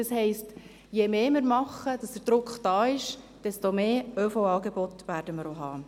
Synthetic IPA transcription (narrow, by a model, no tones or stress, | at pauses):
əshɛɪst | jemeːmɪɾmɑχəd̥ɑsd̥əɾd̥ɾʊkχd̥ɑːɪʃ | d̥ɛstomeːœfowɑːɡebotʋæːɾdəməɾoɦɑː